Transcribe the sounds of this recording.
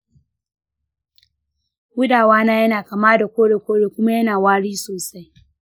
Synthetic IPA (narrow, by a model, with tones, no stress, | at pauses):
wʊ˦daː˨waː˦naː˦jɐ˦naː˨ka˨maː˦da˨kʷoː˦ɽe˨kʷoː˦ɽeː˨kʷʊ˦ma˦jɐ˦naː˨waː˦ɽiː˦soː˨sa˦j